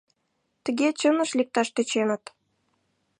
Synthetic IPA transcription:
t̪ə̆ɣet͡ɕənə̆ʃlʲik̚t̪ɑʃt̪ə̆t͡ɕenə̆t̪

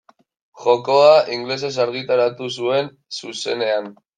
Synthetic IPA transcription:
ʝo̞ko̞aʔiŋɡle̞s̬e̞s̬aɾɣ̞it̪aɾat̪us̬ue̞n | suse̞ne̞an

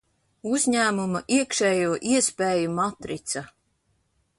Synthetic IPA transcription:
uzʲɲæːmumaʔiɛkʃɛːjuɔʔiɛspeːjumat̪ɾit̪sa

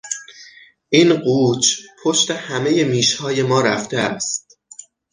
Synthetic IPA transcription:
ʔiːnɢuːt͡ʃʰpʰoʃt̪e̞hæme̞je̞miːʃhɒːje̞mɒːɾæft̪ʰeæst̪̚

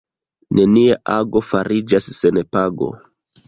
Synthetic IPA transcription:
ne̞niaʔaɡo̞faɾid͡ʒasːe̞nepaɡo̞̰

